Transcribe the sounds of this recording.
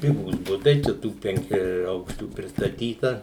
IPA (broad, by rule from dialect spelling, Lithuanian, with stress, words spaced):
ˈpʲɪɡuːs ˈbʊtɐɪ t͡ʃʲɛ ˈtuː pʲɛŋʲˈkʲæːˈɐʊkʃʲt͡ʃʲuː pʲrʲɪstɐˈtʲiːtɐ